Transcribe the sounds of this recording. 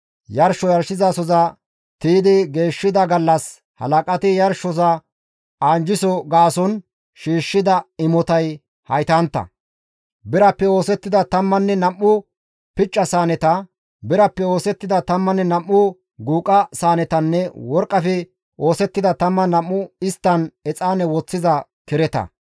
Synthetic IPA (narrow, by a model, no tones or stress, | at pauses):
jɐɾʃɔjɐɾʃɪzɐsɔzɐ | t̪iːd̪ɪɡe̞ːʃːɪd̪ɐɡɐlːɐs | hɐ̰lɐkʼɐt̪ɪjɐɾʃɔsɐ | aːnd͡ʒɪsɔɡaːsɔn | ʃiːʃːɪd̪ɐɪmɔt̪ɐj | hɐ̰jt̪ɐnt̪ːɐ̰ | bɪɾɐpːɛo̞ːsɛt̪ːɪd̪ɐt̪ɐmːɐnːɛnɐmːʊ | pɪt͡ʃʼːɐsaːnɛt̪ɐ | bɪɾɐpːɛoːsɛt̪ːɪd̪ɐt̪ɐmːɐnːɛnɐmːʊ | ɡuːkʼːɐsaːnɛt̪ɐnːɛwɔɾkʼːɐfɛ | o̞ːsɛt̪ːɪd̪ɐt̪ɐmːɐnɐmːʊɪst̪ːɐnɛt͡sʼaːnɛwɔt͡sːɪzɐkɪɾɛt̪ɐ̰